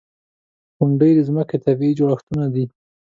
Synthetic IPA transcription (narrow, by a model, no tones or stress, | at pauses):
xʊɳɖəjd̪əzməket̪abiid͡ʒoɽaxt̪unad̪i